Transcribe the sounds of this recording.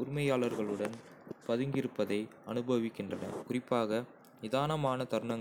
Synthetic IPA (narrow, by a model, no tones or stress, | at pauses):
ʊɾɪmɐjaːɭɐɾɣɐɭɯɽɐn | pɐðɯŋɡɪɾɯpːɐðɐɪɐnɯbɐʋɪkːɪndrɐnɐ̰kʊrɪpːaːɣɐ | nɪðaːnɐmaːnɐt̪ɐɾɯɳɐŋ